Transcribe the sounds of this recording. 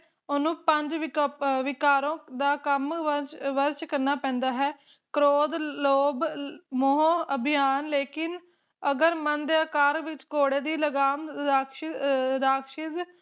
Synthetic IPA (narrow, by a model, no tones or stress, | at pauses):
onũːpəɲd͡ʒʋɪʋɪkaːɾõːd̪aːkəmʋəɾt͡ʃkəɾnaːpɛ̃ːnd̪aːɦɛː | kɾoːd̪loːbmoɦõːəbʱɪjaːnleːkɪn | əɡəɾmənd̪eəkaːɾʋɪt͡ʃkoːɽeːd̪iːləɡaːmaːkʃɪɾaːkʃɪz